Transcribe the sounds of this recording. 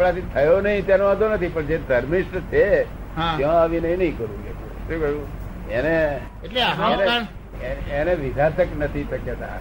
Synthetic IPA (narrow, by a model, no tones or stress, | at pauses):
apɽat̪it̪ʰəjonəɦĩt̪janoad̪ʱonət̪ʰipəɳd͡ʒed̪ʱəɾmiʃʈət͡ʃʰe | ɦãt̪jõaʋinəɦĩnəɦĩkəɾṵ̃ɡet̪ũʃũkəɾũ | ene | eʈleaaene | eeneʋid̪ʱat̪əknət̪ʰiʃəkjət̪a̰